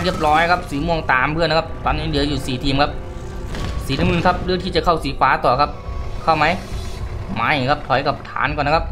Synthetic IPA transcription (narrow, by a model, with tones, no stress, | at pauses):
li˧˥˩əp̚lɔː˧˥jkʰa˦˥p̚siː˨˦mu˧˩əŋt̪aː˨˩mpʰɯ˧˥˨nːa˧kʰa˧˥p̚t̪ɔː˧˨nːiː˧˥˨dɯ˨˩˦ə˦juː˨˩siː˨˩t̪ʰiː˧˩mkʰa˦˥p̚ | siː˨˦na˧˨mɯ˧˨kʰa˦˥p̚lɯː˧˥˦t̪ʰiː˧˩t͡ɕa˨˩kʰa˧˩wsiː˨˦paː˨˦t̪ɔː˨˩kʰa˦˥p̚kʰa˧˩wma˧˥j | ma˧˩jkʰa˦˥p̚t̪ʰɔ˨˩˦jka˨˩p̚t̪ʰa̰ː˨˦nkɔː˧˩n˧kʰa˧˥p̚